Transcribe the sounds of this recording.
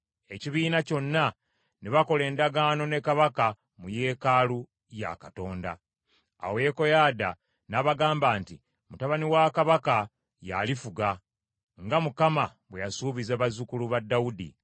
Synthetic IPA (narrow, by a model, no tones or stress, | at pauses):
e̞ciβiːnaco̞nːa | niβako̞le̞ːndaɡaːno̞ne̞kaβaka | muje̞ːkaːlu | ja̰kato̞ːnda̰ | a̰weko̞jada̰ | naβaɡaːmbaːnti | mutaβaniwakaβaka | ja̰lifuɡa | ŋɡamukamaβwejasuːβizaβazukuluβadːawudḭ